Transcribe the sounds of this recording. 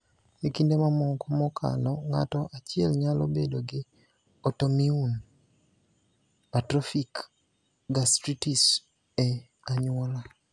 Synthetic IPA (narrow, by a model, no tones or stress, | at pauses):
ekindemamɔŋkɔmɔkʰa̰nɔŋa̰tɔʔat͡ʃɪɛlɲalobedoɡɪ | ɔtomiun | patɾɔfik | ɡastɾitis | ɛ | aɲʊwɔla